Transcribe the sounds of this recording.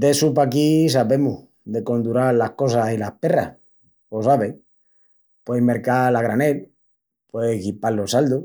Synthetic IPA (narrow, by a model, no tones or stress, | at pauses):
d̪e̞supakis̬aβe̞mu | ðe̞ko̞nd̪uɾalahko̞sasilahpe̞ra̰h | posaβe | pwejme̞ɾkalaɣ̞ɾane̞l | pwekipalːo̞sald̪u